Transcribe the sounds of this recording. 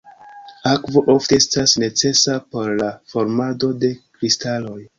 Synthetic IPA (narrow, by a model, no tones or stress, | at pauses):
akvo̞ʔofteestasne̞t͡se̞sapo̞ɾlafo̞ɾmado̞de̞kɾistalo̞j